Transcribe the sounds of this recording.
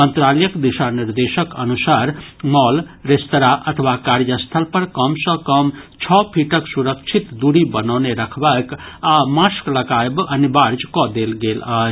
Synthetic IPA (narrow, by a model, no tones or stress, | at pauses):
mənt̪ɾaljəkd̪iʃaniɾd̪esəkənusaɾmɔlɾest̪ɾaʔət̪ʰəʋakaɾjəst̪ʰəlpəɾkəmsə̃kəmt͡ʃʰɔpʰiʈəksuɾəkt͡ʃʰit̪d̪uɽibənawneɾəkʰbakamãskləɡajbənibaɾd͡ʒkɔd̪elɡeləɦ